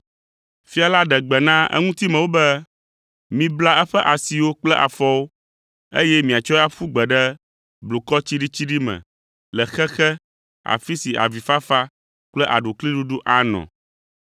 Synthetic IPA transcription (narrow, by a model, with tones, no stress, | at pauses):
fi˦a˨la˦ɖɛ˨ɡ͡bɛ˨nã˦ɛ̰˦ŋũ˦t̪i˦mɛ̃˨wo˦bɛ˦ | mĩ˨bla˦ɛ˦ɸɛ˦ʔa˨si˨wo˦k͡plɛ˦ʔa̰˨fɔ˦wo˦ | ḛ˦jɛ˦mĩ˨a˨t͡ʃɔ˦a˦ɸu˦ɡ͡bɛ˨ɖɛ˦ | blo˨kɔ˦t͡ɕi˦ɖi˦t͡ɕi˦ɖi˦mɛ̰̃˨ | lɛ˨xɛ˦xɛ˦ | a̰˨fi˦si˨ʔa̰˨vi˨fa˦fa˦ | k͡plɛ˦ʔa̰˨ɖo˨kli˦ɖu˦ɖu˦ʔa˦nɔ̰̃˨